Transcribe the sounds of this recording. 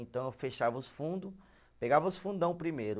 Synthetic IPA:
ẽnt̪ɐ̃w̃ewfeʃavɐʊsfũnd̪ʊ | peɡavɐʊsfũd̪ɐ̃w̃pɾimejɾʊ

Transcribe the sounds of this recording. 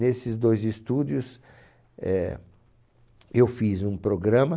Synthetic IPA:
esɪzd̪ojzist̪ud͡ʒʊs | ɛ | ewfizũpɾoɡɾɐ̃mɐ

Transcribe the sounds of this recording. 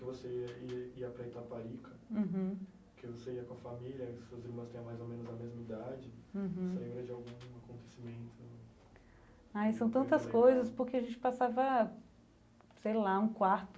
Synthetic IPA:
kɪvoseiɐiɐpɾɐt̪apaɾikʰɐũɦ̩ | kɪvoseiɐkõɐfamiljɐseɐziɾmɐ̃st̪ẽɲɐ̃majzomẽnʊzɐmezmɐid̪ad͡ʒɪ̃ɦ̩selẽmbɾɐd͡ʒɪawɡũakõnt̪esimẽnt̪ʰʊ | ajsɐ̃w̃t̪ɐ̃nt̪ɐskojzɐspʊɾkeaʒẽnt͡ʃɪ̥pasavɐ | sejlaũkwaɾt̪ʊ̥

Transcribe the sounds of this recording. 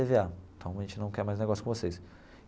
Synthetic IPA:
eveaẽt̪ɐ̃w̃ɐʒẽnt͡ʃɪnɐ̃w̃kɛɾmajzneɡɔsjʊkõvoses

